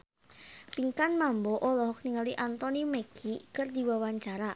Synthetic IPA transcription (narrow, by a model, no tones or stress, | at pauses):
piŋkanmambɔʔɔlɔɦɔk̚niŋaliʔant̪ɔnimekʰikərd̪iwawaɲt͡ʃaɾa